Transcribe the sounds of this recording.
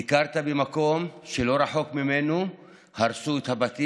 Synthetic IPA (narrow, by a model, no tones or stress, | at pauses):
ikaʁt̪abemako̞mʃelo̞ɾaħo̞kmimenu | haɾsuet̪habat̪i